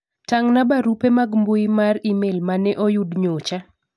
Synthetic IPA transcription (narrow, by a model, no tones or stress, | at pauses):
taŋnabaɾupemaɡmbʊimaɾimelmanɛʔojudɲot͡ʃa